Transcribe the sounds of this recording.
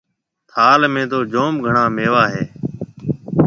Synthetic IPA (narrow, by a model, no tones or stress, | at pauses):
t̪ʰaːlmẽːt̪oːd͡ʒoːmɡʱəɳãːmeːʋaːɦeː